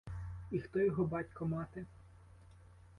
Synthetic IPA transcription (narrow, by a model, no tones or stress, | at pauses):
ixt̪ɔjɔɦɔbɑtʲkɔmɑt̪e